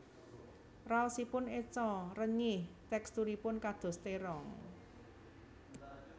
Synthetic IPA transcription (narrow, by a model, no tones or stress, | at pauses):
ralsipʊnet͡ʃɔrəɲɪht̪ɛkst̪uɾipʊnkad̪̥o̤st̪eɾɔŋ